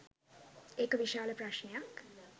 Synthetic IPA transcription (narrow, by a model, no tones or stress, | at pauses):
ekɐʋiʃaːlɐpɾaʃnjak